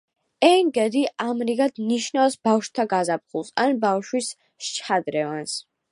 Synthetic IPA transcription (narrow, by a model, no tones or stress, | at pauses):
ɛŋɡɛd̪iamɾiɡad̪niʃnawsbafʃt̪ʰaɡazap̚ʰχulˠsanbawʃwis | t͡ʃʰad̪ɾɛvans